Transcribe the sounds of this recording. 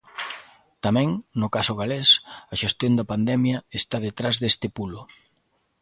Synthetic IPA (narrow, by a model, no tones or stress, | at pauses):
t̪amɛ̃ŋnʊkasʊɣalesɐʃest̪jond̪ɐpand̪ɛmjɐest̪að̞et̪ɾazðest̪ɪpulʊ